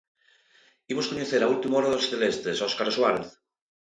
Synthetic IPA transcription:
imoskoɲeθeɾault̪imaoɾaðosθelest̪esoskaɾoswaɾeθ

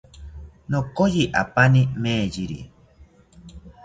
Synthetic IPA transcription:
nokojiʔa̰panimẽːd͡ʒiɾḭ

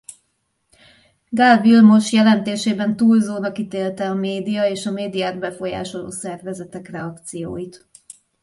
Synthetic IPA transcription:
ɡalvilmo̞ʃjɛlɛnt̪eːʃeːbɛnt̪uːlzoːnɒkit̪eːlt̪ɛɒmeːd̪ijɒeːʃɒmeːd̪ijaːrbɛfo̞ja̰ːʃo̞lo̰ːsɛrvɛzɛt̪ɛkrɛɒkt̪sijo̰ːjit̪

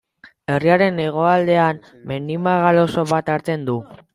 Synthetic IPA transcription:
e̞riaɾe̞ne̞ɣ̞o̞ald̪e̞an | mend̪imaɣalo̞so̞βat̪aɾt͡se̞nd̪u

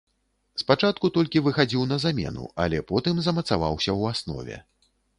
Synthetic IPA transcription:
spat͡ʂat̪̚kut̪ɔlʲkʲivɨxad͡zʲiwnɐzamʲɛ̰nṵɐ̰lʲɛpɔt̪ɨmzɐmɐt̪sava̰wsʲɐwasnɔ̰vʲɛ̰

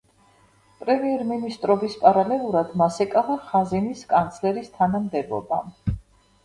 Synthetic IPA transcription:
pʼɾɛmiɛɾminist̪ʼɾɔbispʼaɾalɛlˠuɾad̪masɛkʼavaχazɛniskʼant̪sʰlɛɾist̪ʰanamd̪ɛbɔ̰ba

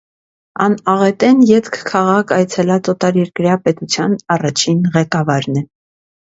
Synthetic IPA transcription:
ɑnɑʁɛt̪ɛnjɛt̪kʰkʰɑʁɑkʰɑjt͡sʰɛlɑt͡sɔt̪ɑɾjɛɾkɾjɑpɛt̪ut͡sʰjɑnɑrɑt͡ʃʰinʁɛkɑvɑɾnɛ

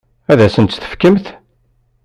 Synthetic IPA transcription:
æðæsənt̪θə̥fkəmθ

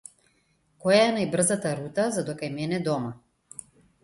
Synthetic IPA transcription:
kɔjaɛnajbr̩zat̪aɾut̪azad̪ɔkajmɛnɛd̪ɔma

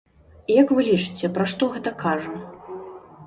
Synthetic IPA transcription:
jɐkvɨlʲit͡ʂɨ̥t͡sʲɛpɾaʂt̪ɔɣɛt̪ɐkʰaʐɐ

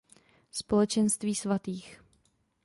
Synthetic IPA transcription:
spo̞lɛt͡ʃɛnst̪viːsvat̪iːx

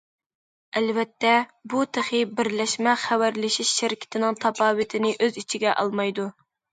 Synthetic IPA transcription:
ælvɛt̪ːɛbut̪ʰeχɪbɪɾlɛʃmɛχæwæɾlɪʃiʃːɪɾɪkʲʰɪ̥t̪ʰɪnɪŋt̪ʰɑpɑːwɪt̪ʰɪnɪʔøzit͡ʃʰiɡʲɛʔɑ̰lˠmɑjd̪u

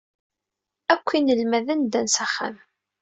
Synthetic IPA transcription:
ækʷːinəlmæðænd̪ænsæχːæ̰m

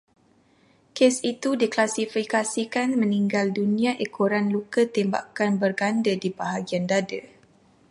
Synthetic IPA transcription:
kesit̪udiklasifikasikanmə̃niŋɡaldunĩãʔekʰoɾanlukət̪emba̰kanbərɡandədibaɦaɡiandadə

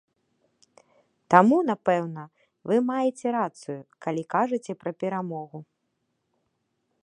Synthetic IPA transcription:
t̪amun̪apɛwnɐ | vɨmajɛt͡sʲɛɾat̪sɨjukalʲikaʐɨt͡sʲɛpɾɐpʲɛɾamɔɣu

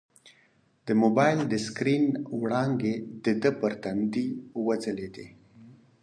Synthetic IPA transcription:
d̪̥əmobɑjld̪əskɾinwɽɑŋɡed̪əd̪əpəɾt̪and̪iwazəled̪e

